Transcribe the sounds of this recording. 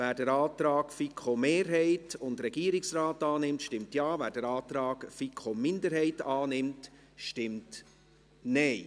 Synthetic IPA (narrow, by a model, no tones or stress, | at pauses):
væːɾdɛɾɑːt̪ɾɑːkfikχomeːɾɦɛɪtʊndɾɛɡiəɾɪksrɑːtɑːnɪmtʃtɪmtjɑːvæːɾd̥ɛɾɑːt̪ɾɑːɡfikʰχomɪndəɾhɛɪtɑːnɪmt | ʃtɪmt | nɛɪ